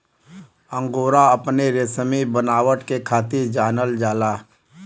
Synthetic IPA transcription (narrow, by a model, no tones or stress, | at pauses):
ə̃ŋɡoːɾaəpneɾesəmibənaːwəʈkekʰaːt̪iɾd͡ʒaːnəld͡ʒaːlaː